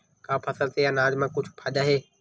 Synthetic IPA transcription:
kʰãːpʰɐsəlt̪ʰejanaːd͡ʒmãkʊd͡ʒʰʱpʰaɗaɦeː

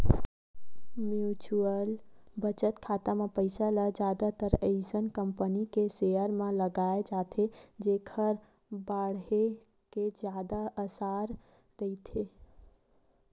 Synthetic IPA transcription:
mjut͡ʃuəlbət͡ʃət̪kʰat̪amepəɪsaləd͡ʒad̪at̪əɾeɪd͡ʒənkəmpənikesejəɾmẽləɡaed͡ʒat̪ʰed͡ʒekʰəɾ | baɽɦe | ked͡ʒjad̪aəsaɾ | ɾəit̪ʰe

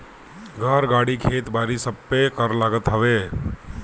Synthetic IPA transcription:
ɡʱaːɾɡaːɽikʰeːt̪baːɾisəbːekəɾlaːɡət̪ɦəʋeː

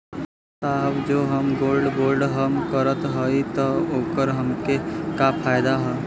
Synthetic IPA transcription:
saːɦəbd͡ʒoːɦəmɡoːlɖboːɾɖɦəmkəɾət̪ɦəit̪əoːkəɾɦəmkekapʰaːjd̪aɦəː

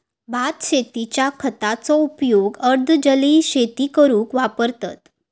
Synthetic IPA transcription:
bʱat̪ɕet̪it͡ɕjakʰət̪at͡sɔupjoɡəɾd̪ʱd͡ʑəliːɕet̪ikəɾũːkʋapəɾt̪a̰t̪

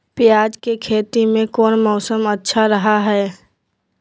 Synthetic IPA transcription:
pɪjaːd͡ʒkekʰeːt̪imẽkɔːnmɔːsəmətːʃʰaɾɐɦaɦɛː

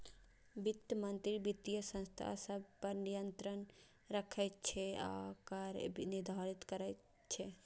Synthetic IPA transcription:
bit̪ːjəmənt̪ɾibit̪ːijəsə̃nst̪ʰa̰səbʱpəɾnijənt̪ɾən | ɾəkʰɛtt͡ʃʰɛa̰kəɾnid̪ʱaɾit̪kəɾɛt̪ | t͡ʃʰɛ

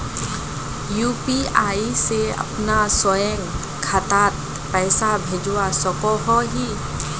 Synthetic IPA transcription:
juːpiaːiseɐ̰pnasɔjə̃ŋɡ | kʰat̪aːt̪̚ | pɛːsabʱeːd͡ʒuwasɔkɔɦɔɦi

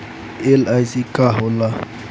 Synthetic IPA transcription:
ɛlajsikʼahɔla

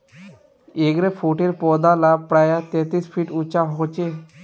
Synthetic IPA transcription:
eɡɾefʰuʈiɾpɔd̪alapɾajat̪et̪iːsfʰiːʈut͡ʃaɦot͡ɕe

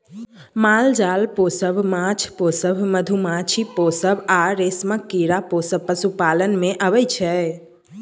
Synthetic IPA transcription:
mald͡ʒalposəbmat͡ʃʰposəbʱməd̪ʱumat͡ʃʰiposəbaɾesməkːiɾaposəbpəsupalənmeʔəβɛjt͡ʃʰɛ

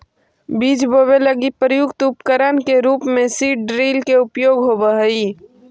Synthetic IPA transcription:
biːd͡ʒboːbeləɡipɾəjʊɡt̪upkəɾənkeɾuːpmẽsiːɖɖɾiːlkeʊpjoːɡɦobəɦəiː

